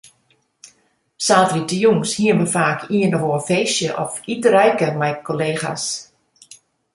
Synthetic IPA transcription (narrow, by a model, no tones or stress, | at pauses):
saːtritəjuŋshiənməfaːkʰiənəʋoːfeːsjəʔɔfitəɾɛjkəmɛjkʰoleːxa̰s